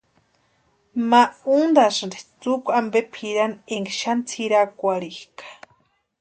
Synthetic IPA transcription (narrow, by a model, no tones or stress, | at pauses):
maund̪aʂnde̥t͡sukʷambepʰiɾaneŋɡʃant͡sʰiɾakʷaɾihkḁ